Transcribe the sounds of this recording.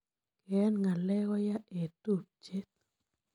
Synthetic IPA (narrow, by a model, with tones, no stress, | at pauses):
kɛ˦nŋa˨lɛ˦ɡɔ˦ja˦ʔe˨t̪u˦˨p̚t͡ʃe˦t̪̚